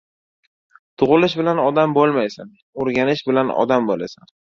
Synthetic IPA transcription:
t̪ʰʊʁɨlɪʃ̬bɪlanɒd̪ambolˠmajsan | oɾɡʲanɪʃbɪlanɒ̰d̪ambolasan

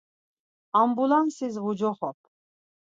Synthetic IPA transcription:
ambulansizʁud͡ʒɔχɔp̚ʰ

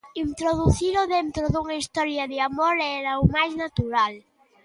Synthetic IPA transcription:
int̪ɾoðuθiɾoðent̪ɾoðuŋɐist̪ɔɾjaðeamoɾɛɾaumajznat̪uɾal

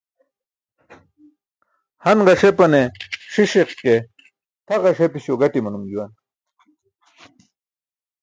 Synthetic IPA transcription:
hɐnʁɐʂepɐneʂiɕeqkːe | t̪ʰɐʁɐʂepiɕoɡɐʈimɐnumd͡ʑuwɐn

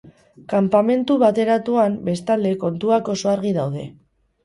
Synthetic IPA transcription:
kampame̞nt̪uβat̪e̞ɾat̪uambe̞st̪ald̪e̞ko̞nt̪uako̞so̞aɾɣiðawð̞e̞̰

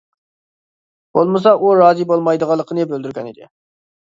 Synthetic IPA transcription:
b̥olˠməs̬ɑʔuɾɑːzibolˠmɑjd̪əʁɑlˠːəqʰənɨbøld̪yɾkʲɛnḭd̪ɪ̰

